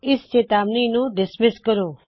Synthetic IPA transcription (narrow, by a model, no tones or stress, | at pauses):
ɪst͡ʃeːt̪aːbninũɖɪsmɪskəɾoː